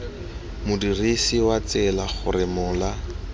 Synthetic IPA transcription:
mʊdirisiwat͡sɪlaχʊ̰ɾɪmʊːla

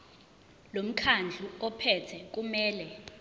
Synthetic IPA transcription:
lom̩kʰand͡ɮʱuɔpʰɛtʰɛk̬ʼumɛːlɛ

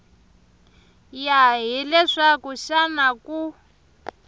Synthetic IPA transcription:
jaɦilɛʂakuʃanaku

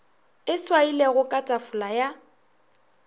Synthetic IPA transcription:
ɪswaileɣʊkʼatʼafʊlaja

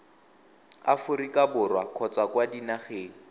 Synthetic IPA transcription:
a̰fʊrikabʊrwakʰɔt͡sakwadinaχeːŋ̩

